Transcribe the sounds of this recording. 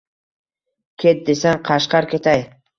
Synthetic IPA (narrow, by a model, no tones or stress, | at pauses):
kʲʰet̪̚d̪esanqʰɑʃqɑɾkʲe̞t̪ʰaj